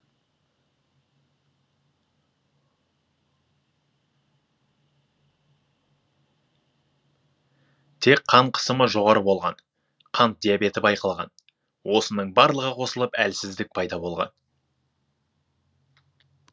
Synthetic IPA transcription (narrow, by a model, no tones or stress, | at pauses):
t̪ʰe̞k̚qʰːɑɴqʰə̥səməʒo̞ʁɑɾəbo̞lˠʁɑn | qʰɑnt̪̚d̪ijabe̞t̪ɪbɑjqɑlˠʁɑ̰n | wʔo̞sənəɴbɑɾlˠəʁəqʰo̞səlˠəpælsɪzd̪ɪk̚pʰɑjd̪ɑbo̞lˠʁɑ̰n